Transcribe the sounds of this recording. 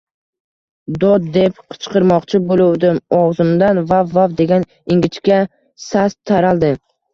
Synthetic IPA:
d̪ɒd̪̚d̪epqʰɨ̥t͡ʃqɨɾmɒqt͡ʃʰɪbolˠʊwd̪ɪmɒʁzɪmd̪anvavːavd̪e̞ɡʲan | ɪŋɡʲɪt͡ʃkʲa | sast̪ʰːaɾalˠd̪ɪ

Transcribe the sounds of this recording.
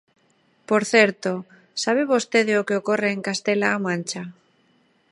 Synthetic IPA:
poɾθeɾt̪o | saβ̞eβost̪eðeokeokoreːŋkast̪elaːmãnʲt͡ʃa

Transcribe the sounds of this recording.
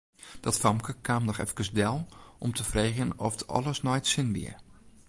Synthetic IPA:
d̥ɔtfɑmkəkʰaːmdɔxɛ̰fkəsdɛlˠʔɔmtʰəfreːɣənɔftɔ̰lˠəsnɔjtsɪnʋḭər

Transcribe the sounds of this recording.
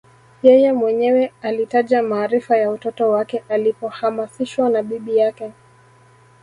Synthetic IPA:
jɛjɛmwɛɲɛwɛalitaʄamaːɾifajautɔtɔwakɛʔalipɔhamasiʃwanaɓiɓijakɛ

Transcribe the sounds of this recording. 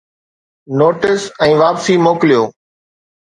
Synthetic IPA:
noːʈɪsɛ̃ːʋaːpsiːmoːklijoː

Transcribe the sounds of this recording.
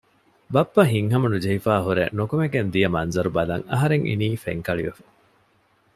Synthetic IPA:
bɐpːɐɦiŋɦɐmɐnud͡ʒɐɦifaːɦuɾḛnokumeɡend̪ijɐmɐnzɐɾubɐlɐ̰ŋɐ̰ɦɐɾeŋʔḭniːfeŋkɐɭiʋefɐ̥

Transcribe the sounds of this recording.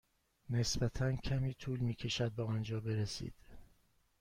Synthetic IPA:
ne̞sbæt̪ʰæncʰæmiːt̪ʰuːlmiːcʰe̞ʃæd̪̚beɒːnd͡ʒɒːbe̞ɾesḭːd̪̥

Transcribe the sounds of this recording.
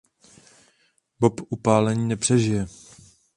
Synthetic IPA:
bopʔupaːlɛɲiːnɛpr̥ɛʒɪjɛ

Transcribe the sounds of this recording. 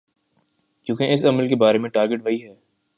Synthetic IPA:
t͡ʃjũːkeʔɪsɐməlkebaːɾemẽʈaːɾɡɪʈʋɐɦiɦɛː

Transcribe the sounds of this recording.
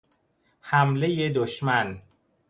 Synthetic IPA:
hæmlejed̪oʃmæn

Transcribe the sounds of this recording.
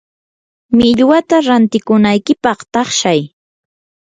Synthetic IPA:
mɪʎwat̪aɾant̪ɪkʊnajkɪpɑχt̪ɑχʃaj

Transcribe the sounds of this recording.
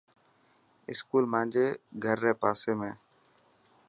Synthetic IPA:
ɪ̰skuːlmãːnd͡ʒeːɡʱəɾːeːpaːseːmẽː

